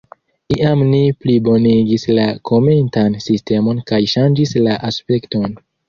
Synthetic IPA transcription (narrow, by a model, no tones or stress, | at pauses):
iʔamniplibo̞niɡislakʰo̞mentansiste̞mo̞nkajʃand͡ʒislaʔaspe̞kto̞n